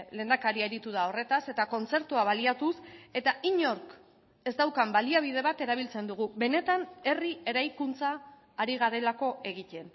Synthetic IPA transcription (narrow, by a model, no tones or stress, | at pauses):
le̞ːnd̪akaɾieɾit̪uð̞ao̞re̞t̪ase̞t̪ako̞nt͡se̞ɾt̪uaβ̞aliat̪use̞t̪aʔiɲo̞ɾk | e̞zd̪awkambaliaβ̞ið̞e̞β̞at̪e̞ɾaβ̞ilt͡se̞nd̪uɣ̞uβe̞ne̞t̪ane̞rie̞ɾajkunt͡saː | ɾiɣ̞aɾe̞lako̞e̞ɣice̞n